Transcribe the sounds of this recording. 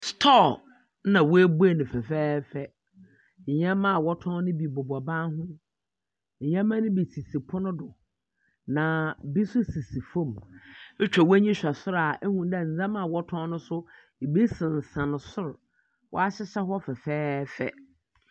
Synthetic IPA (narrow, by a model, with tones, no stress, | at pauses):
stʰɔ˦˨˦ | nã˨wʊ˦æ˦bu˦æ˦˨nʊ̃˨fɛ˨fɛː˦fɛ˦ | ɲ̩˨ɲã˦mã˦˨wɔ˦tʰɔ̃˦nʊ̃˦bi˨bʊ˨ba˨baː˦ɦʊ̃˦ | ɲ̩˨ɲã˦mːã˦nʊ̃˦bi˨si˨si˨pʰʊ˦nʊ̃˦dʊ˨ | nã˨bi˦sʊ˦si˨si˨fõ˦˨m˦ | t͡ɕᶣa˨wæ˦ɲĩ˦ɕᶣa˨sʊ˦ɾa˨ʔɛ˦hũ˨˦dɛ˨n̩˨d͡zã˦mã˨wɔ˦tʰɔ̃˦nʊ̃˦sʊ˦˨ | bi˦sɪ̃˨n̩˨sã˨nʊ̃˨sʊ˦ɾ | wʔɔ̰˦a˦ɕɪ˦ɕa˦hɔ˦fɛ˨fɛː˦fɛ̰˦